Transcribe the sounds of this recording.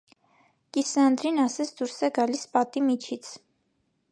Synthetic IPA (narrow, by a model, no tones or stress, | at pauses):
kisɑnd̪ɾinɑsɛt͡sʰd̪uɾsɛɡɑlispɑt̪imit͡ʃʰit͡sʰ